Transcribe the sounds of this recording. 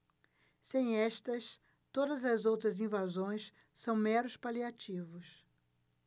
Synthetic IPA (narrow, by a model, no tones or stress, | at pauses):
sẽj̃ɛʃt̪ɐs | t̪od̪ɐzɐzowt̪ɾɐzĩvazõj̃s | sɐ̃w̃mɛɾʊspaliat͡ʃivʊs